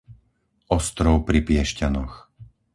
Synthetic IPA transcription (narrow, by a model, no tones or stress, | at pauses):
ɔst̪ɾɔʊpɾipɪɛʃcanɔx